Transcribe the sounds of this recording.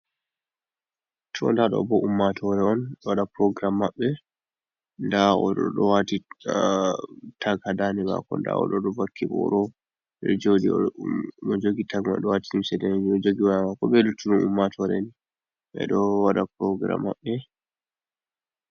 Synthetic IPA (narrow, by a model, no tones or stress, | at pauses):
tʰɔndaɗɔ̰bɔʔumːatʰɔɾɛɔnɗɔwaɗapɾɔɡɾamːaɓːɛ | ndaɔɗɔ̰ɗɔwati | tʰaɡhadanima̰kɔ̰nda̰ɔ̰ɗɔɗɔvakʰːiɓɔɗɔ | ɗɛ̰d͡ʒodi | ɔd͡ʒoɡitaɡma̰ɗɔwatiimsɛdɛiɔd͡ʒoɡiwaamakɔbɛlutʰːuɗunumːatʰɔɾɛni | ɓɛ̰ɗɔwaɗapɾɔɡɾa̰mːa̰ɓːɛ